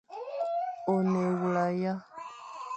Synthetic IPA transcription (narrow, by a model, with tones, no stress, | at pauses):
o˨ne˨wu˨la˨ja˦